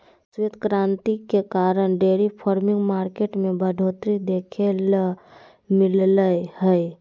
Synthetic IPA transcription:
set̪kɾãːnt̪ikekaːɾəɽ̃ɖeːɾipʰɔːɾmɪ̃ŋɡmaːɾkeːʈmẽbəɖʱoːt̪ɾid̪eːkʰel | mɪlləjhɛj

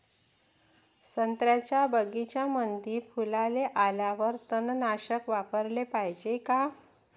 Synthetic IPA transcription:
sənt̪ɾjat͡ɕjabəɡit͡ɕjamənd̪ʱiːpʰulaleʔalaʋəɾt̪ənnaɕəkʋapəɾlepajd͡ʑeka

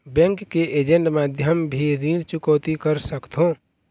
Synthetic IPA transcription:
bɛ̃ŋkːeʔed͡ʒəɳʈmad̪ʱjəmbʱiɾiɾt͡ʃukəwt̪ikəɾsəkt̪ɦõ

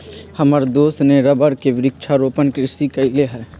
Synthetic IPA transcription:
hɐmaɾd̪oːsneɾəbəɾkeʋɪɾɪkʃʰaɾoːpənkɾɪsikɐileɦɛː

